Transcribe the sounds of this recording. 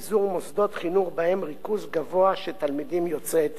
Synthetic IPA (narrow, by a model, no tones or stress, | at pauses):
zuʁmosd̪ot̪χinuχbahɛmʁikuzɡavoaʃɛt̪almid̪imjot͡sɛt̪